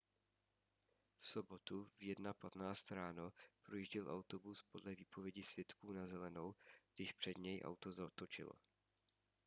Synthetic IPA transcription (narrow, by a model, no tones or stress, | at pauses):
fso̞bot̪uvjɛdnapat̪naːt͡st̪ɾaːno̞pɾojiʒɟɛlʔawt̪o̞buspo̞dlɛviːpʰo̞vjɛɟisv̥jɛt̪kuːnazɛlɛno̞wɡdɪʃpr̥ɛd̪ɲɛjʔa̰wt̪ozat̪ot͡ʃɪ̰lo̰